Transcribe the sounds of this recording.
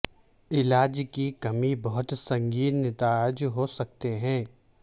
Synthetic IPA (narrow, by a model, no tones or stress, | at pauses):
ɪlaːd͡ʒkikɐmibɐɦʊt̪sɐ̃ŋɡiːnːɪt̪aːd͡ʒɦosɐk̚t̪eɦɛ̃ː